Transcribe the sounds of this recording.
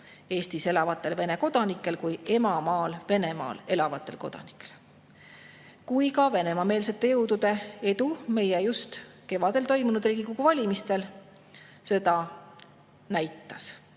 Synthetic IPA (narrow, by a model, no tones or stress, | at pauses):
e̞ːst̪ise̞lɑvɑt̪ːˑe̞lve̞ne̞ko̞d̪̥ɑnikːˑe̞lkuje̞mɑmɑːlve̞ne̞mɑ̰ːle̞lɑvɑt̪ːˑe̞lko̞̰d̪̥ɑ̰ni̥kːˑel | kujkɑve̞ne̞mɑme̞ːlse̞t̪ːˑe̞jɤwd̪ud̪̥e̞e̞d̪ume̞jejust̪ke̞vɑd̪̥e̞lt̪o̞jmunud̪riːɡ̥ikoɡuvɑlʲimist̪e̞l | se̞d̪̥ɑ | næjt̪ːˑɑs